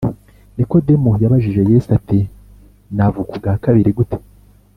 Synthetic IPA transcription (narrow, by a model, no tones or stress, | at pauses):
niko̞demujaβaʒiʒe̞jesati | navukuɡakaβiɾiɡute̥